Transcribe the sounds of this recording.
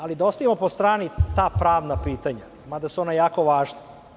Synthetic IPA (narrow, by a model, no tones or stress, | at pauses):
alid̪aost̪aʋimopost̪ɾaːnit̪aːpɾaːʋnapiːt̪aɲa | mad̪asuonajaːko̞ʋaːʒna